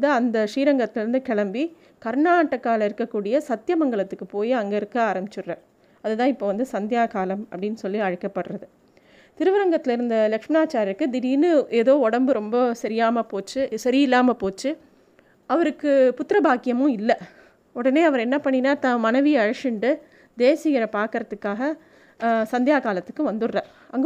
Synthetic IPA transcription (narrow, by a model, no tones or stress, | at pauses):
t̪ãːɐnd̪ɐʂiːɾɐŋɡɐt̪ːɪlɪɾɯnd̪ɯkɛɭɐmbi | kɐɾɳaːʈːɐkːaːlɐɪɾɯkːɐkːuːɽɪjɐsɐt̪jɐmɐŋɡɐɭɐt̪ːɯkːɯpoːjiɐŋɡeɪɾɯkːɯaːɾɐmbɪt͡ʃːɯrːɐ | ɐðɯt̪ãːɪpːoːʋɐnd̪ɯsɐnd̪ɪjaːkaːlɐmɐpːɐɽɪnːɯsɔlːiɐɻɐkːɐpːɐʈɾɐðɯ | t̪ɪɾɯʋɐɾɐŋɡɐt̪ːɪlɪɾɯnd̪ɐlɐkʂmɪnaːt͡ʃːaːɾɐɾkːɯd̪ɪɾiːnɯeːðoːɔɽɐmbɯɾɔmbɐsɐɾɪjaːmɐpoːt͡ʃːɯsɐɾɪjɪlːaːmɐpoːt͡ʃːɯ | ɐʋɐɾɯkːɯpʊt̪ːɪɾɐbaːkːɪjɐmɯ̃ɪlːɐ | ɔɽɐneːɐʋɐɾɛnːɐpɐɳːɪnːaːt̪ːãːmɐnɐʋɪjɐɐɻɐʂɪɳɖɯ | d̪eːsɪɣɪɾɐpaːɾkɯɾɐt̪ːɯkːaːɣɐ | sɐnd̪ɪjaːkaːlɐt̪ːɯ̥kːɯʋɐnd̪ɯɾrɐ | ɐŋɡ